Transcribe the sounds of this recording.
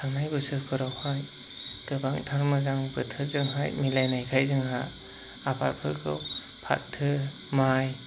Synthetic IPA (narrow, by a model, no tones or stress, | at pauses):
tʰaŋnajbɯsɯpʰɯɾawhaj | ɡ̥ɯbaŋtʰaɾmɯzaŋbɯtʰɯzɯŋɦajmilajnajkʰajzɯŋɦa̰ | apʰat̚pʰɯkʰɯw | pʰa̰t̚tʰːɯ | maj